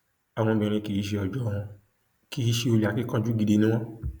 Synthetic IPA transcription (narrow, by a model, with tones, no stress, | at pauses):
a˨w̃ɔ̃˧bĩ˧ɾ̃ĩ˧ki˨i˦ʃ̬e˧ɔ˨d͡ʒɔ˨w̃ɔ̃˧ | ki˨˦i˦ʃe˧o˧li˨a˨ki˦kã˦d͡ʒu˦ɡi˧de˧nũ˦w̃ɔ̃˦